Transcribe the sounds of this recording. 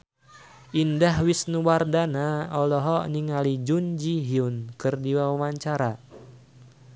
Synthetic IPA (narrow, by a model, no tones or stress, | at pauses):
ʔindaɦwisnuwardanaɔlɔɦɔniŋalid͡ʒund͡ʒiɦiunkɨrdiwawawaɲt͡ʃaɾa